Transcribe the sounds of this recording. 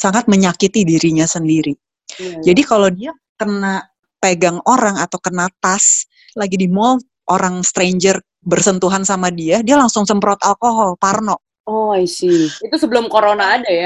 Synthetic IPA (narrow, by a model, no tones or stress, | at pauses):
saŋat̪̚məɲakit̪idiɾiɲasəndiɾi | d͡ʒadikalawdia | kəna | peɡaŋoɾaŋat̪awkənat̪as | laɡidimɔ | ʔoɾaŋst̪ɾeɲd͡ʒər | bərsənt̪uɦansamadiadialaŋsʊŋsəmpɾɔt̪alkoɦɔlparnɔʔ | ɔisiit̪usəbəlʊmkoɾonaːdaja